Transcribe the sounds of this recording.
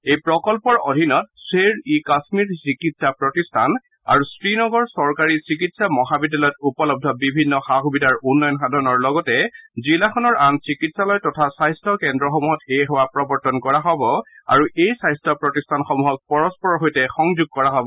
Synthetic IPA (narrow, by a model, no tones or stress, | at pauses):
ejpɹɔkɔlpɔɹo̰dʱinɔt̚seɹikasmiɹsikitsapɹɔtistʰan | a̰ɹusɹinɔɡɔɹsɔɹkaɹisikitsamɔɦabidalɔjtupɔlɔb̚dʱɔbibʱinːɔxaxubidaɹunːɔjɔnxadʱɔnɔɹlɔɡɔtɛzilaxʰɔnɔɹansikitsalɔjtɔtʰasajstʰɔkɛndɹɔxɔmuɦɔteɦowapɹɔbɔɹtɔnkɔɹaɦɔbɔ | a̰ɹuʔejsajstʰɔpɹɔtistʰanxɔmuɦɔk̚pɔɹɔspɔɹɔɦojtɛxɔŋzuɡ̚kɔɹaɦɔbɔ